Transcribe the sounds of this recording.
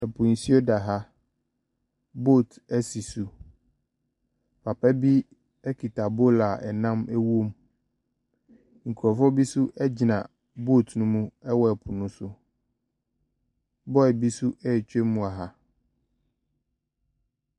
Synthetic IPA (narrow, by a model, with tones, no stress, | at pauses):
ɛ˨pʰũ˨n̩˨si˦o˦da˨ɦa˦ | bo˦˨tɛ˦si˨su˨ | pʰa˨pɛ˦bi˦ | ɛ˦kʰi˨tʰa˨bo˦la˨ɛ˨nã˦mɛ˦wo˦m | ŋ̩˨kʰu˨ɔ˨fɔ˦bi˦su˦ʔɛ˦d͡ʑɪ˨nã̰˨ | bo˦˨tnũ˦mũ˦ɛ˦wɔ˦ɛ˨pʰu˨nũ˦sʊ˦ | bɔ˦ɛ˨bi˦su˦ɛ˦˨t͡ɕᶣe˦mũ˨a˨ɦa˨